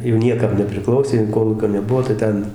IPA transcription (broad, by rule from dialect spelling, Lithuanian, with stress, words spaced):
jɛʊ ˈnʲiɛkɐm nʲɛpʲrʲɪˈklˠɐʊsʲeː jɛʊ ˈkoːlˠuːkʲoː nʲɛˈbʊʋoː tɐɪ ˈtʲɛn